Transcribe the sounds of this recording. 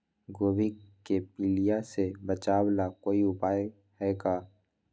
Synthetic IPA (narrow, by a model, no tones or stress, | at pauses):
ɡoːbʱikkepilijasebət͡ʃaːwlakoːiʊpaːj | hɛːɡaː